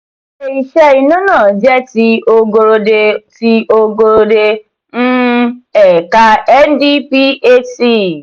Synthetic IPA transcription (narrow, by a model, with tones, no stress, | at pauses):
e˨i˨ʃɛ˦i˧nũ˦nãː˦˨d͡ʒɛ˦ti˧o˧ɡo˧ɾo˧de˧ti˧o˧ɡo˧ɾo˧de˧ | n̩˦ɛ˨ka˧ɛ˦n˦di˦pi˦e˦ti˦˨